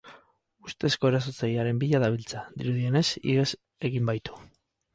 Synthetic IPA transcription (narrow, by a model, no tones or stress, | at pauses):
ust̪e̞sko̞e̞ɾas̬o̞t͡sajiaɾe̞mbiʎaðaβ̞ilt͡saðiɾuðiene̞sḭɣes | e̞ɣimbajt̪u̥